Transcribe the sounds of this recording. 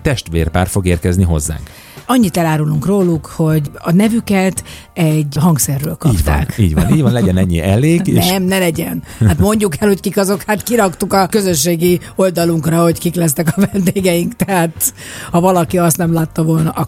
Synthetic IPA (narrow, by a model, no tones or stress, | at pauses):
t̪ɛʃt̪ʋḛːrpa̰ːrfo̞ɡeːrkɛzniɦo̞̰zːa̰ːŋk | ɒɲːit̪ɛlaːɾuluŋkroːlukho̞ɟɒnɛvykɛt̪ | ɛɟɦɒŋksɛrːø̰ːlkɒːɟptːkiːɟv̰niːɟʋɒnlɛɟɛnɛɲːḭʔɛleːɡenɛmnɛlɛɟɛnhat̪mo̞ɲɟukɛlho̞ckikɒzo̞khaːt̪kiɾɒkt̪ukɒkø̞zøʃːeːɡio̞ld̪ɒluŋkrɒho̞ckiklɛs̬t̪ɛkɒvɛnd̪eːɡɛjiŋkt̪ɛɦaːt̪ | hɒvɒlɒkiɒst̪nɛmlaːt̪ːɒvo̞lnɒʔɒ